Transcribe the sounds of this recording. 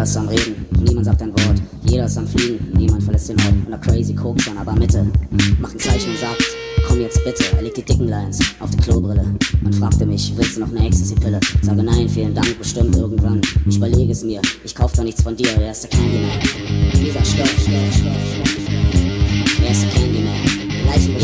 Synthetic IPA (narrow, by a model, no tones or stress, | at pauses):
samʁeːdn̩niːmantzaːk̚d̥aɪnvɔɐt | jeːɾɐsamfliːɡŋ̩niːmantfɛɐlɛstenʔɔɪtʊ̃ntɐkʰɹ̥eɪzikʰoːkʃoːnʔaːbɐmɪtʰəmaχn̩t͡saɪçn̩ʊntz̥aːkt | kʰɔmjɛt͡st̚b̥ɪtʰəɛ̰ɐleːk̚d̥iːd̥ɪkŋ̩laɪnsʔaʊfd̥iːkʰloːbʁɪləʔʊntfʁ̥aːk̚təmɪçvɪlstd̥uːnɔχnɛçstəsd̥ipʰɪləzaːɡənaɪnfiːləndaŋk̚b̥əʃtɪmtʔɪɐɡŋ̩tv̥anɪçybɐleːɡəɛsmiːɐʔɪçkʰaʊfədɔχnɪçt͡sfɔndiːɐveːɐɪstd̥ɛkʰɛndimɛnd̥iːzɐʃtɔfɛɐʃtɔfɪçmḁɪfɛ | veːɐɪstdɛkʰɛndimɛːnɡlaɪçn̩bə